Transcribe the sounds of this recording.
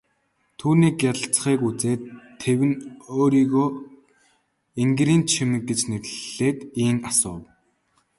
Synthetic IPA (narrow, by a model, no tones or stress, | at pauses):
t̪ʰuːniːkːjat̪ə̆ɬt͡sχiːkut͡seːt̪ʰː | ewɘ̆noːɾiːɣoː | iŋɡɾiːnt͡ɕʰimɘ̆k̚ɡet͡ɕnerɮ̥eːt̪iːŋasʊːw